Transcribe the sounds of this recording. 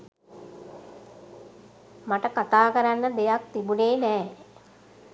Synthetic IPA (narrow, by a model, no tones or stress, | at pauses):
maʈəkat̪aːkəɾanːəd̪ejak̚t̪ibuneːnɛː